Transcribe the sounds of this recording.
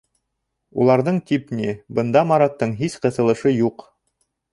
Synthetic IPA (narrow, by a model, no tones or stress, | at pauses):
ulˠɑɾðɤɴt̪ʲipnʲibɤ̆nd̪ɑmɑɾɑt̪ːɤɴɦisqɤ̆θɤ̆lˠɤ̆ʃɤjuq